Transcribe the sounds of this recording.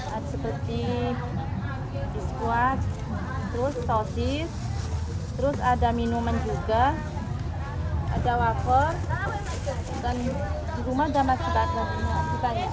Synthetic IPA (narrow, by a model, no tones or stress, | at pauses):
ʔadasəpərt̪i | dukuat̪̚ː | əɾʊstosɪ | t̪əɾʊsadaminumand͡ʒuɡa | ʔa̰dawakɔ | dan | diɾumadamasibat̪akit̪a